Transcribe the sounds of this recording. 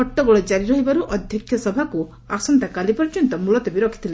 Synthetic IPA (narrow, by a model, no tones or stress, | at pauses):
ɔʈːɔɡɔɭed͡ʒaɾiɾɔɦibaɾuʔɔd̪ʱjɔkʰjɔsɔbʱaku | aksɔnt̪akalipɔɾd͡ʒɔnt̪ɔmulɔt̪ɔbiɾɔkʰi̥t̪ʰile